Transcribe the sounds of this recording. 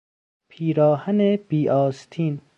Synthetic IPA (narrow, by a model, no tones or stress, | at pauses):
pʰiːɾɒːhaneb̥iːʔɒːst̪ʰiːn